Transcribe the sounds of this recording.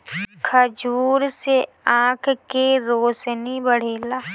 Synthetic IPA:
kʰəd͡ʒuːɾse | ãːkʰkeɾoːsnibəɽ̤eːlaː

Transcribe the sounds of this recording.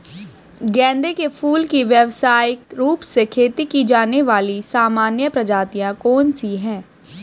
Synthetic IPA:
ɡɛ̃ːnd̪ekepʰuːlkiʋjəʋsaːjɪkɾuːpsekʰeːt̪ikid͡ʒaːneʋaːlisaːmaːnjəpɾɐd͡ʒaːt̪ijãkɔːnsiɦɛ̃ː

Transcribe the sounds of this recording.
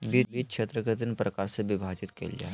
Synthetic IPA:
bibiːkɕʰet̪ɾəkət̪inpɾəkaɾseʋibʱat͡ʃit̪kḛlja̰

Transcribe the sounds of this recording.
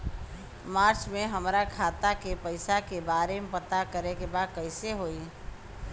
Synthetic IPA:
maːɾt͡ʃmeɦəmɾakʰaːt̪akepəɪsakebaːɾemepət̪akəɾekebaːd̪̚kəɪseɦoi

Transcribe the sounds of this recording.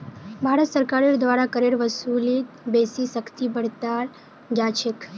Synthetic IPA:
bʱaɾət̪səɾkaɾid̪ʋaɾakəɾeɽʋəsulit̪besisəkʰt̪ibəɽt̪aɾ | d͡ʒat͡ʃʰek

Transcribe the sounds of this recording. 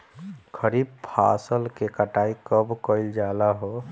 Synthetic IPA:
kʰəɾib̚pʰa̰səlkekəʈaikəbkəɪld͡ʒalaɦo

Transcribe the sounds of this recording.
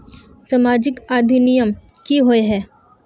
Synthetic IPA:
sɐmaːd͡ʒɪkaːd̪ʱinijəm | kiɦoeɦɛː

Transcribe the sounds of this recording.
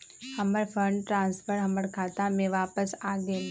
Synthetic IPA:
hɐ̃məɾpʰəɾɳʈɾãːnspʰəɾɦɐ̃məɾkʰaːt̪ãmẽʋaːpəsaːɡə

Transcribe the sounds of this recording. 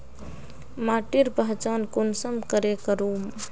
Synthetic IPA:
maʈiɾpəɦt͡ʃankonsəmkəɾekəɾum

